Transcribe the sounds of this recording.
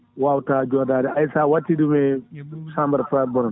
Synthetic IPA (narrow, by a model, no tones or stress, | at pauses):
wawtad͡ʒɔdaːdɛʔajsawatːidumɛsãmbɐɾfɾabɔnɔn